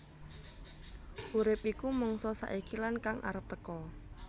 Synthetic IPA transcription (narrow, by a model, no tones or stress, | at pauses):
ʔuɾɪpikumɔŋsɔsa̰ʔikilankaŋʔa̰ɾəp̚t̪əkɔ